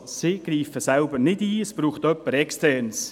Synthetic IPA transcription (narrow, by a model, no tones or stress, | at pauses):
sɪɡ̥riːfəsælbəɾnɪdiːəsb̥ɾuːχt̪œpːəɾɛkstɛrns